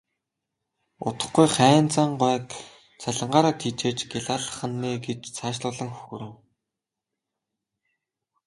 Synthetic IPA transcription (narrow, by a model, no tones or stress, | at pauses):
ʊ̰t̪ə̥̆χɡujχæːnt͡saːɴɢwæːk | t͡sʰaɮə̆ɴɢaːɾaːt̪ʰiːt͡ɕeːt͡ɕɡɪɮaːɮə̆χə̆nːeːɡet͡ɕt͡sʰaːʃɮʊːɮə̆ŋxɵ̥xɵɾɘ̆w